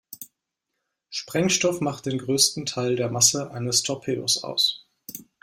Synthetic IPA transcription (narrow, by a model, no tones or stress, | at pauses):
ʃpʁ̥ɛŋʃtɔfmaχt̚d̥eːnɡʁøːstn̩tʰaɪldeːɐmasəʔaɪnəstʰɔpʰeːo̰sa̰ʊs